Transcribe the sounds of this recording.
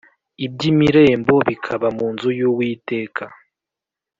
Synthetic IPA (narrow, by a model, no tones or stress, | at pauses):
ib̚ɟimiɾe̞ːmbo̞βikʰaβamuːnzujuwiːte̞ːkʰa